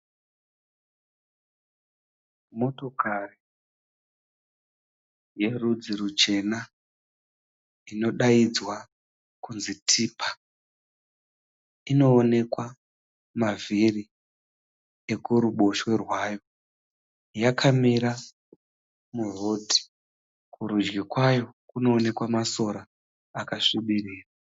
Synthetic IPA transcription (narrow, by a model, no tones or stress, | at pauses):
mo̞to̞kari | je̞rud͡ziɾut͡ʃe̞na | ino̞ɗaid͡zwa | kunzitʰiːpʰḁ | ino̞ːne̞kwa | mavʱiri | ekuɾuɓo̞ʃwe̞rwaːjo̞ | jakʰamiɾa | muro̞ːdʱi̥ | kʰuɾud͡ʒɡikwajo̞kunoːne̞kwamaso̞ɾaː | kaʂiɓiriːra